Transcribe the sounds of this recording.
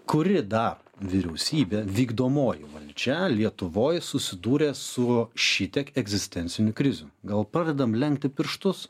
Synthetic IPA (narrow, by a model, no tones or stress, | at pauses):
kʊɾʲɪd̪ɐr | ʋʲiɾʲɛʊsʲiːbʲeːʋʲiːɡd̪oːmoːjɪʋɐlʲd͡ʒʲɛlʲiɛt̪ʊʋoːjsʊsʲɪd̪uːɾʲeːsʊʃʲit̪ʲiɛkɛɡzʲɪsʲt̪ʲɛnʲtsʲɪnʲʊkɾʲɪzʲʊɡɐlˠpɾɑːd̪ʲɛd̪ɐmlʲɛŋʲkt̪ʲɪpʲɪɾʃt̪ʊs